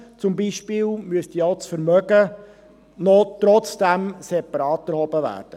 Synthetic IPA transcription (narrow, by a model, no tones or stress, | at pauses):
t͡sʊmbiʃpɪːlmyəst̪ioʊt͡sfəɾmœɡə | nɔtɾɔt͡sd̥æmsepɑɾɑːtɛɾhɔbəʋæ̰ːd̥ə